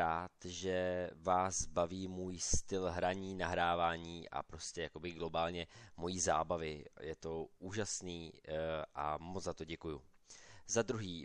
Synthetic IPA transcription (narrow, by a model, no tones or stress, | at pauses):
aːt̪ʒɛvaːzbaviːmuːjst̪ɪlɦɾaɲiːnaɦɾaːvaːɲiːʔa̰pɾo̞scɛjako̞bɪɡlo̞baːlɲɛmo̞jiːza̰ːbavɪjɛt̪o̞ʔuːʒasniːʔa̰mot͡szat̪o̞ɟɛkuju | zad̪ɾuɦiː